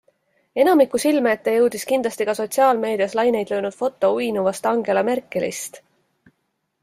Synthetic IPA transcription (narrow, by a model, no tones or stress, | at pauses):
e̞nɑmikːˑusilmeet̪ːejɤwd̪iskind̪lɑst̪iɡ̥ɑso̞t̪ʲsiɑːlme̞ːd̪̥iɑslɑjne̞jd̪lø̞ːnud̪̥fo̞t̪ːˑo̞ujnuvɑst̪ɑŋɡ̥e̞lɑmerkːˑe̞lḭst̪